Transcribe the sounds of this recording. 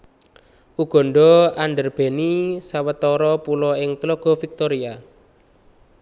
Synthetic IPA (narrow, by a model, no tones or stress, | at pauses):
ʔuɡ̥ɔ̤ɳɖɔanɖərb̥e̤nisawət̪ɔɾɔpulɔɪŋt̪lɔɡ̥ɔ̤fik̚t̪oɾia